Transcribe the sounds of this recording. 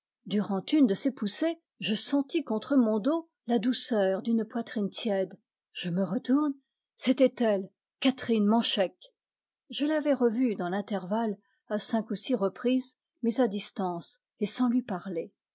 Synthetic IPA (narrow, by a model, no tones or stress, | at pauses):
d̪yʁɑ̃t̪ynd̪əsepuse | ʒəsɑ̃t̪ikɔ̃t̪χəmɔ̃d̪o | lad̪usœːʁd̪ynpwat̪χint̪jɛd̪ | ʒ̥əməʁət̪uʁn | set̪ɛt̪ɛl | kat̪χinmɑ̃ʃɛk | ʒəlavɛʁəvyd̪ɑ̃lɛ̃t̪ɛʁval | asɛ̃kusiʁəpχiz | mɛzad̪ist̪ɑ̃s | esɑ̃lɥipaʁle